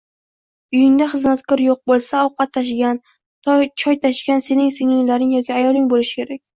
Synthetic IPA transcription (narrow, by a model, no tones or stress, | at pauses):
ʊjɪŋd̪aχɨzmat̪kʰʲɒɾjoq̚bolˠsaɒwqʰɑt̪ʰːaʃ̬ɡʲan | t̪ʰt͡ʃʰɒjt̪ʰaʃɡʲanse̞nɪŋsɪŋɪŋlaɾɪŋjɒkʲʰiajɒlˠɪŋbolɪʃɪ̥kʲe̞ɾakʲ